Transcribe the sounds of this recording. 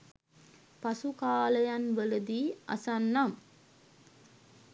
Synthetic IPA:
pasukaːləjanʋələd̪iːa̰sanːam

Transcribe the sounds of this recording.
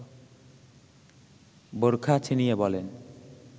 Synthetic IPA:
boɾkʰat͡ɕʰinijebɔlen

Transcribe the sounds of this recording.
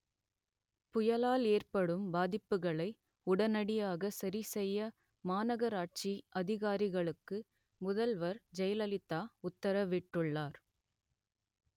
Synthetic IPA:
pʊjɐlaːleːrpɐɽɯmbaːðɪpːɯɣɐɭɐɪ | ʊɽɐnɐɽɪjaːɣɐsɐɾisɛjːɐ | maːnɐɣɐɾaːʈ̚t͡ʃiʔɐðɪɣaːɾɪɣɐɭɯkːɯ | mʊðɐlʋɐɾd͡ʒɐjlɐlɪt̪ːaːʊt̪ːɐɾɐʋɪʈːɯɭːaːɾ

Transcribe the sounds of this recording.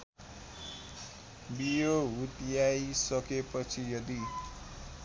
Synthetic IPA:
bijoɦut̪jajisʌkepʌt͡sʰijʌd̪i

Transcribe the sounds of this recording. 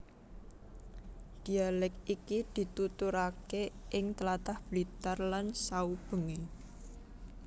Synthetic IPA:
d̪̥i̤alɛk̚ikid̪̥i̤t̪ut̪uɾakeʔɪŋt̪əlat̪ahb̥lit̪arlansaub̥əŋi

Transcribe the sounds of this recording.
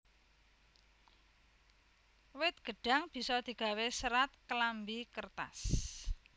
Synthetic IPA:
wɪt̪̚ɡ̥ə̤ɖ̥a̤ŋb̥i̤sɔd̪̥i̤ɡ̥a̤wesəɾat̪̚klambikərt̪a̰s

